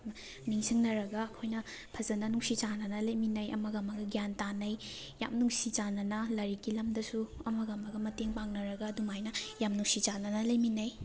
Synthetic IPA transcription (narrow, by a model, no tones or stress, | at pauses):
miŋsiŋnɐɾɐɡɐːkʰojnɐ | pʰɐzɐnɐnuŋsit͡ʃanɐnɐlɐjminɐjɐ̰mɐɡamɐɡɐɡjantanɐj | jamnuŋsit͡ʃanɐnɐlɐɾikilɐmdɐsuɐmɐɡamɐɡɐmɐteŋpaŋnɐɾɐɡɐdumajnɐjamnuŋsit͡ʃanɐnɐlɐjminɐj